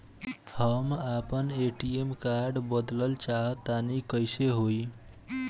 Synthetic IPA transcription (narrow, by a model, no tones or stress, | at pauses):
həmapəneʈiemkaɾɖbəd̪ləlt͡ʃaɦət̪ːanikəjseɦoj